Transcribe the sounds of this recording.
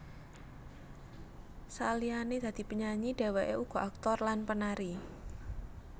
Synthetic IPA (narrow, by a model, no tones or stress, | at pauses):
salianed̪̥a̤d̪̥i̤pəɲaɲiɖ̥e̤weʔeuɡ̥ɔ̤ʔak̚t̪ɔrlanpənaɾi